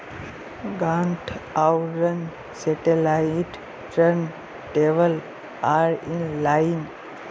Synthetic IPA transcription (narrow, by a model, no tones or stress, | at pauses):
ɡãɳʈʰawɾən | sɛʈelajɪʈ | ʈəɾn | ʈeʋəl | aːɾinlaɪn